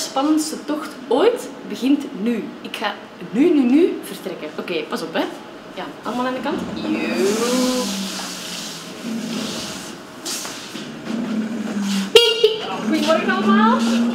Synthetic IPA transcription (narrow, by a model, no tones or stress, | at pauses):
spɑnəntsətɔxt | oːjtbəɣɪntnyɪkxaː | nynynyv̥ərtrɛkənʔokeːpɑsɔpɛ | jaʔɑ̰lˠmaːlˠaːndəkɑntj | ɣujəmɔrɣənɑlˠmaːlˠ